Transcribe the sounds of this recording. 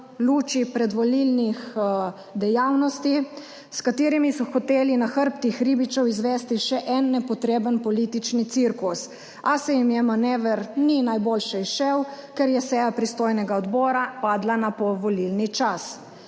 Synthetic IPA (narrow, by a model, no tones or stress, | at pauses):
luːt͡ʃipɾɛd̪ʋɔlilnix | d̪ɛjawnɔst̪i | skat̪iːɾimisɔxɔt̪eːlinaxəɾpt̪ixɾibit͡ʃɔwizʋɛst̪iʃɛʔɛnːɛpɔt̪ɾeːbənpɔliːt̪it͡ʃnit̪siɾkus | asɛjimjɛmanɛʋəɾninajbolʃɛisʃɛwkɛɾjɛsɛjapɾist̪oːjnɛɡaɔd̪bɔːɾapaːd̪lanapɔʋɔlilnit͡ʃas